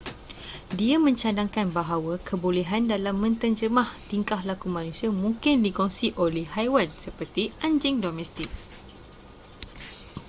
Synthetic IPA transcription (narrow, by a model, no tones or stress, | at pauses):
diamə̃ɲt͡ʃadaŋkanbaɦawakʰəbolɛɦandalamːə̃nt̪ənd͡ʒəmãht̪iŋkahlakumãnũsiamũŋkɪndikɔŋsiʔolɛhhajwansəpərt̪iʔaɲd͡ʒɪŋdomɛ̃st̪ɪk̚